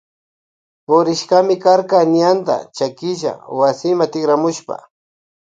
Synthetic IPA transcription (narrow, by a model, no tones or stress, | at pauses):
pʊɾɪʃkamɪkaɾkanjand̪a̰t͡ʃakɪʒa̰wasɪmat̪ɪkɾamʊʃpa̰